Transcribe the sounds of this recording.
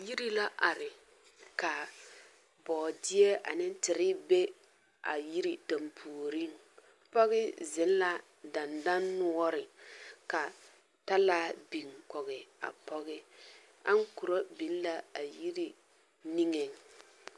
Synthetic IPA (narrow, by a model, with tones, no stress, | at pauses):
ji˦ɾi˦la˦ʔa˨ɾɪ˨ | ka˨ | bɔː˨dɪ˦ɛ˦a̰˨nɪ˦n˦tɪ˨ɾɪ˦be˦ | a̰˨ji˦ɾi˨ta˨mpʰuː˨ɾi˦ŋ | pɔ˦ɣɪ˦zɪ˨˦n˦la˨ | da˨nda˦nːʊ˦ɔ˦ɾɪ˨ka˨ | ta˦laː˦bi˨ŋkɔ˨ɣɪ˨a̰˨pɔ˦ɣɪ˦ | a̰˦ŋ˦ku˨ɾo˦bi˨n˦la˨a˨ji˦ɾi˨ | ni˦ŋe˨ŋ